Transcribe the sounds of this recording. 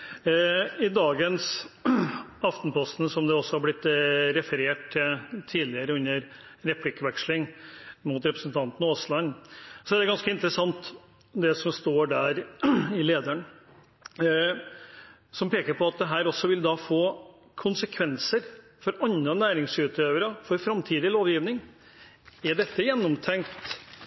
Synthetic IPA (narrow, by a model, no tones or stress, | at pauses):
ɪd̪ɑːɡəns | ɑft̪n̩pʰɔst̪nsɔmd̪ɛɔsːɔhɑɾblɪt̪ːɾɛfəɾeːʈ̚t̪ʰːɪlt̪ʰiːlɪəɾəʉnːəɾɾɛpʰlɪkəʋɛkʂlɪŋmʊt̪ɾɛpɾəsn̩t̪ʰɑnt̪n̩oːslɑnːsɔæd̪ɛɡɑnskəɪnt̪ɾəsɑŋt̪ | d̪ɛsɔmst̪oːɖæːɾɪleːd̪əɳ | sɔmpeːkəɾpʰɔɑt̪̚d̪ɛɦæːɾɔsːɔʋɪld̪ɑfoː | kʰʊnsəkʰʋɛnsəɾ | fɔɾɑnːənæːɾɪŋsʉːt̪ʰøːʋəɾəfɔɾfɾɑmt̪ʰiːd̪ɪloːʋjiːʋnɪŋ | ɛɖɛt̪ːəjɛnːɔmt̪ʰɛŋkt̪